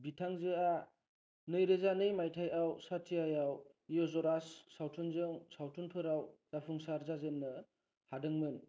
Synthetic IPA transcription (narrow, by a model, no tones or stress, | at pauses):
bitʰaŋzɯa | nɯjɾezanɯjmajtʰajawsatijajaw | ijɔzɔɾasːawtʰunzɯŋsawtʰunpʰɯɾawz̥apʰuŋsaɾzazɯnːɯ | hadɯŋmɯn